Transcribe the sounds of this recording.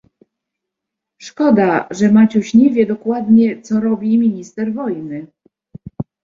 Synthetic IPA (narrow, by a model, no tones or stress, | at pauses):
ʂkɔd̪aʐɛmat͡ɕuɕɲɛvʲjɛd̪ɔkwad̪ɲɛt̪sɔɾɔbʲimʲiɲist̪ɛɾvɔjnɘ